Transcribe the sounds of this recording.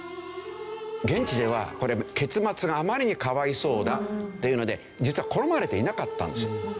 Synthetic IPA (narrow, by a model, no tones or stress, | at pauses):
ɡẽ̞ɲ̟t͡ɕid̪e̞β̞a̰ko̞ɾe̞ke̞t͡sɨmat͡sɨɡaːmaɾʲiɲ̟ikaβaiso̞ːd̪at̪ːe̞jiɯ̟no̞d̪e̞ | d͡ʑit͡sɨβako̞ɾo̞maɾe̞t̪e̞inakat̪ːã̰nd̪e̞sɨjo